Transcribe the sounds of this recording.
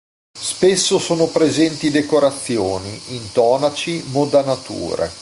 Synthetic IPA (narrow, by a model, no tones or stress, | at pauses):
spesːosoːnopɾezɛnt̪id̪ekoɾat̪sːjoːniint̪ɔːnat͡ʃimod̪anat̪ṵːɾḛ